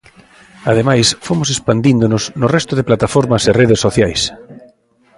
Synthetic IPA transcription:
aðemajsfomʊsespand̪ind̪ʊnʊsnʊrɛst̪ʊðeplat̪afoɾmɐsereðesːoθjajs

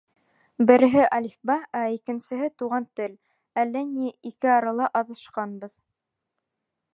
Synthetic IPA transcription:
bɘ̆ɾɘ̆ɦɘʔɑlifbɑæikɘ̆nsɘ̆ɦɘt̪uʁɑnt̪ɘl | ælːæniikɘɑɾɑlˠɑʔɑðɤ̆ʃqɑnbɤð

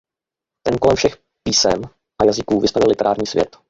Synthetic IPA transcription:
t̪ɛnko̞lɛmfʃɛx | piːsɛm | ʔajazɪkuːvɪst̪avɪlɪt̪ɛɾaːɾɲiːsvjɛ̰t̪

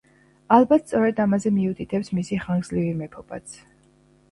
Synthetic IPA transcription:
albat̪st̪ʼɔɾɛd̪amazɛmiut̪ʰʼit̪ʰɛpsmisiχaŋɡzlivimɛpʰɔba̰t̪sʰ

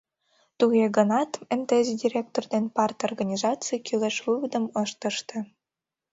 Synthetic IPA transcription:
t̪uɣeɡənɑt̪emt̪ezidʲirʲek̚t̪ord̪enpɑrt̪orɣɑnʲizɑt͡sɨjkyleʃvɨβəd̪əmɤʃt̪ə̆ʃt̪ĕ

